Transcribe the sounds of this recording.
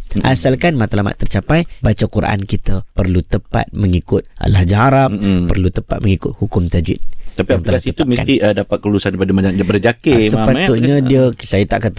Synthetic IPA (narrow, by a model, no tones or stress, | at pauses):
ʔa̰salkanmat̪alama̰t̪ːərt͡ʃapajbat͡ʃakuɾa̰ʔa̰nkit̪əpərlut̪əpa̰t̪̚məŋikʊt̪̚lahd͡ʒaɦaɾappərlut̪əpa̰t̪̚məŋikʊt̪̚hukʊmt̪ad͡ʒɪ̰t̪̚t̪apiaaŋt̪alasit̪uməa̰niədapat̪̚kəlulusanpadəmad͡ʒaŋbərd͡ʒakeəpat̪uʔɲadiəsajət̪aʔkat̪